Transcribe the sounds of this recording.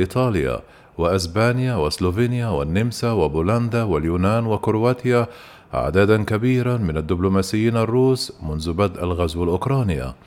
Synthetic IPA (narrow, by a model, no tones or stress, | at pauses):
ʔɪt̪ˤɑːlja̰ | wɪʔɪs̬baːnjawɪsloːviːnɪjawɪ̰nːɪmsawɪbuland̪awɪljuːnaːnwɪkʊɾwaːt̪ɪja̰ | ʕ̰d̪aːd̪ankabiːɾamɪnad̪ːʊblʊmaːsɪjːiːnarˤːuːsmʊnðʊbad̪ʔalɣazwalʔʊkɾˤɑːnɪja̰